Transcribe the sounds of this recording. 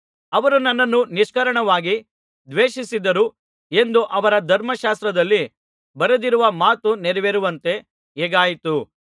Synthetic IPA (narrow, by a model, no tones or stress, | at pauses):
ɐʋɐɾunɐnːɐnːuniʂkɐɾɐɳɐʋaːɡi | d̪ʋeːʃisid̪ɐɾu | e̞nd̪uʔɐʋɐɾɐd̪ʱɐɾmɐʃaːst̪ɾɐd̪ɐlːi | bɐɾɐd̪iɾuʋɐmaːt̪uneɾɐʋeɾuʋɐnt̪e̞ | eːɡaːjit̪u